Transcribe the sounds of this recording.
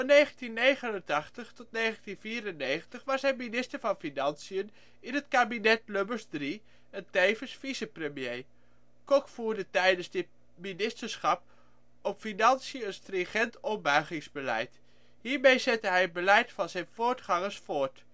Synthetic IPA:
fɑnːejχəntinːejχənəntɑχtəχtɔtnejχəntinviːrənːeːχəntəχʋɑsɦɛjminɪstəɹvɑnfinɑnsiən | ɪnətkaːbinɛtløbəɹsdri | ɛntejvənsfisəprəmjej | kɔkfuːɹdətɛjdənzdɪt | minɪstəɹsχɑp̚ | ɔpfinɑnsiəənstrɪŋχɛntɔbœɥχɪŋzbəlɛ̰jt | ɦiːɹmejzɛtəɦɛjəd̚bəlɛjtfɑnzɛjnvoːɹtχɑŋəɹsfʊːɹt

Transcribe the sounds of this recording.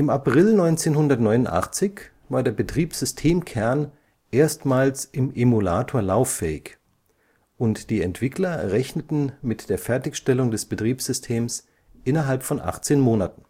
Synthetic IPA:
ʔɪmapʁ̥ɪlnɔʏnt͡seːnɦʊndɐtnɔʏnʊntʔa̰χt͡sɪç | v̥aːɐdeːɐbətʁ̥iːpsz̥ʏstʰeːmkʰɛɐn | ʔeːɐstmaːlsʔɪmʔemula̰ːtʰoːɐlaʊfɛːɪç | ʔʊntd̥iːɛntv̥ɪklɐʁɛçnətn̩mɪtd̥eːɐfɛɐtɪçʃtɛlʊŋdɛsb̥ətʁ̥iːpsz̥ʏstʰeːms | ʔɪnɐɦalpfɔnʔa̰χt͡seːnmoːnatn̩

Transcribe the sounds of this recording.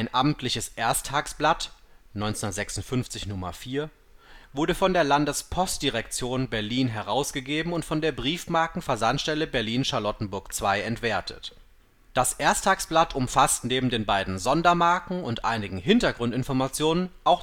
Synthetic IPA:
ʔaɪnʔaːbm̩tʰlɪçəsʔeːɐstʰaːksb̥lat | nɔʏnt͡snɐtz̥ɛksʊntfʏnft͡sɪçnʊmɐ̰fiːɐ | v̥ʊɐɾəfɔndeːɐlandəspʰɔst̚d̥iʁɛkt͡sjoːnbɛɐliːnɦɛʁaʊsɡ̥əɡeːbm̩ʊntfɔndeːɐbʁiːfmaɐkŋ̩fɛɐzantʃtɛləbɛɐliːnʃaɐlɔtn̩bʊɐkt͡sv̥aɪɛntv̥eːɐtʰə̰t | d̥asʔeːɐstʰaːksb̥latʰʊmfastneːbm̩deːnbaɪdn̩zɔndɐmaɐkŋ̩ʊntʔa̰ɪnɪɡŋ̩ɦɪntɐɡʁʊntɪnfɔɐmat͡sjoːnənʔaʊx

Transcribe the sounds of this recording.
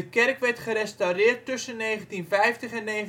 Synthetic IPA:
əkɛrkʋɛrtχəɾɛstawrɪːrtːɵsənːejχəntinfɛjftəχɛnːeː

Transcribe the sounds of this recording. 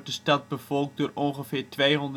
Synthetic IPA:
dəstɑt̚bəvɔlˠk̚dʊːrɔnχəfɪːrtʋejɦɔnd

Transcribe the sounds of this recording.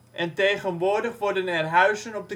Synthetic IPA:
ʔɛnteːɣənʋʊrdəχʋɔɹdənɛrɦœɥsənɔp̚də

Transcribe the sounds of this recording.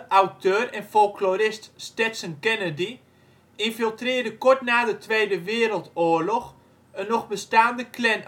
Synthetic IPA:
awtʰøːrɛnfolˠklorɪststɛtsənkɛnədi | infilˠtrɪːrdəkʊɹtnaːdətʰʋejdəʋɪːɾəlˠtoːərlɔx | ənːɔχbəstaːndəklɛn

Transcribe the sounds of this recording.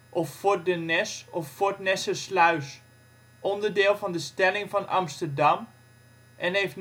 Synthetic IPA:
ʔɔffʊɹdənɛsɔfːʊɹtnɛsəslaɥs | ʔɔndəɹdɪːlˠvɑndəstɛlɪŋvɑnɑ̰mstəɹdɑm | ʔɛnɦejft

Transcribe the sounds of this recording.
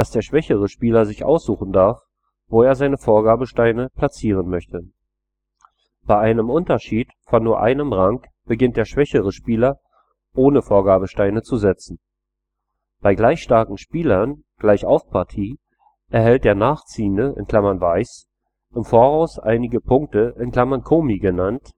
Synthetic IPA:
d̥asd̥eːɐʃv̥ɛçəʁ̞əʃpiːlɐzɪçʔa̰ʊsz̥uːχn̩daɐf | voːeːɐzaɪnəfoːɐɡaːbəʃtaɪnəpʰl̥at͡siːʁ̞ənmœçtə | b̥aɪʔaɪnəmʔʊntɐʃiːt | fɔnːuːɐʔa̰ɪnəmʁaŋk | b̥əɡɪnt̚d̥eːɐʃv̥ɛçəʁəʃpiːlɐ | ʔoːnəfoːɐɡaːbəʃtaɪnət͡suzɛt͡sn̩ | b̥aɪɡlaɪçʃtaɐkŋ̩ʃpiːlɐn | ɡ̥laɪçʔaʊfpʰaɐtʰiː | ʔɛɐɦɛlt̚d̥eːɐnaːχt͡siːəndəʔɪ̰nkʰl̥amɐnvaɪs | ʔɪmfoːɐʁaʊsʔa̰ɪnɪɡəpʰʊŋk̚təʔɪnkl̥amankʰoːmiɡənant

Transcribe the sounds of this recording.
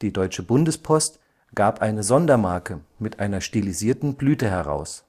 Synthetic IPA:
d̥iːdɔʏt͡ʃəbʊndəspʰɔst | ɡ̥aːpʔaɪnəzɔndɐmaɐkʰəmɪtʔaɪnɐʃtiliziːɐtn̩blyːtəɦɛʁa̰ʊs

